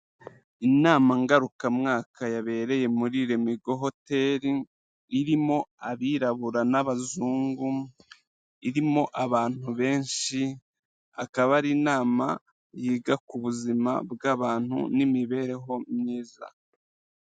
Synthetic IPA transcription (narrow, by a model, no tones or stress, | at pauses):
inaːmaŋɡaɾukamŋaːkʰajaβe̞ːɾe̞je̞muɾiɾemiɡo̞ɦo̞te̞ːɾiː | ɾimo̞aβiːɾaβuɾanaβazuːŋɡu | iɾimo̞ʔaβaːn̥huβe̞ːnʃi | akaβaɾinaːma | jiːɡakuβuzima̰bɡaβaːn̥hṵnimiβe̞ːɾe̞ɦo̞mɲiːza̰